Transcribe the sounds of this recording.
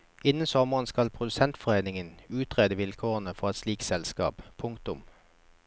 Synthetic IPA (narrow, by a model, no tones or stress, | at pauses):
ɪnənsɔməʁənskɑlpʰʁʊd̪ʉsɛnt̪fɔʁeɪnɪŋənʉːt̪ʁeːd̪əʋɪlkʰoːʁənəfɔʁɛt̪sliːksɛlskɑ̰ːppʰʊŋkt̪ʊm